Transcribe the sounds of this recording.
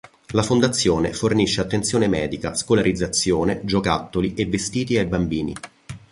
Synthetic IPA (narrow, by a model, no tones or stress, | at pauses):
lafond̪at̪sːjoːnḛforniʃːeat̪ːensjoːnemɛːd̪ika̰skolaɾid̪zːat̪sjoːned͡ʒokat̪ːoliʔevːest̪iːt̪iajbambiːnḭ